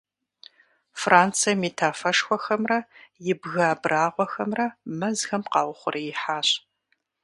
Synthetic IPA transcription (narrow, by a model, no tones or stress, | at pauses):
frʔaːnt͡sʰijɐmitʰaːfɐʂxʷɔxɐmrɐjɪbɣaːbraːʁʷɔxɐmrɐmɐzxɐmqɑːwʷʊχʷʊrʔijɪħaːɕ